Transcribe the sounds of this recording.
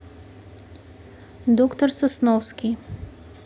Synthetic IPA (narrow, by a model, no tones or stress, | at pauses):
d̪ɔkt̪ɔɾsɔsnɔfskʲi